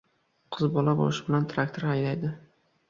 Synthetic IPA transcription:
qʰɨzbɒlabo̰lɪʃɪbɪlant̪ʰɾak̚t̪ʰoɾajlajd̪ɪ

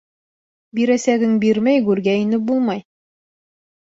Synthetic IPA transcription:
biɾæsæɡɘŋbiɾmæjɡʉɾɡæinɘp̚bulˠmɑj

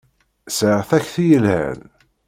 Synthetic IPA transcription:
sʕəʁθæçθijəlhæ̰n

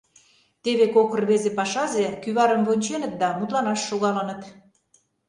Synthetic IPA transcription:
t̪eβekokə̆rβezepɑʃɑzekyβɑɾə̆mβonʲt͡ɕenət̪̚d̪ɑmut̪lɑnɑʃːoɣɑlə̆nət̪

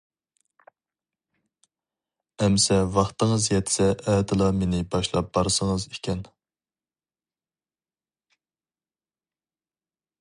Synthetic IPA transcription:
ɛmsɛvɑχt̪əŋəzjɛt̪ʰɪ̥sɛʔːd̪ɨlˠɑmenɪbɑʃlˠɑp̚b̥ɑɾsəŋəzekʲɛn

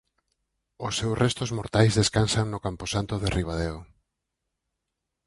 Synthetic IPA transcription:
ʊsːewsrʔɛst̪ozmoɾt̪ajzðeskansaŋnokamposant̪oðerʔiβ̞aðeo

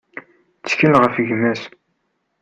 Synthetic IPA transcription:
t͡sːə̥çəlʁəfʝmæs

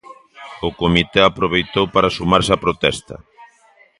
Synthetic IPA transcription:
ʊkomit̪eapɾoβejt̪owpaɾasumaɾsapɾot̪ɛst̪ɐ̰

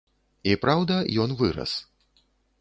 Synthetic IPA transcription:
ipɾawd̪ɐjɔnvɨɾɐ̰s

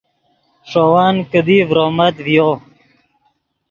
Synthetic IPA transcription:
ʂowaːnkəd̪ivɾomɐt̪vjo

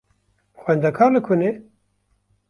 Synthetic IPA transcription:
xʷɛnd̪ɛkʰɑːɾlɨkʰʊne

